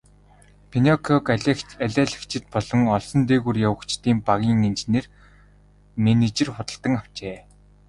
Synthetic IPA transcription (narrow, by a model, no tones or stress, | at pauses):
pʰenɔkʰɔkaɮæːɮɘ̆kt͡ɕʰɪ̆t̪̚pɔɮɞ̆ŋɔɮsɞ̆nt̪eːɣurjawə̆kt͡ɕt̪iːmpaɣʲiːŋent͡ɕneːr | menet͡ɕɪ̆rχʊt̪ə̆ɬt̪ə̆ŋaw̥t͡ɕeː